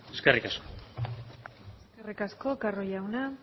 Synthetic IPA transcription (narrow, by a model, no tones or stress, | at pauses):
eskerikasko̥ | eskerikasko̞karojawna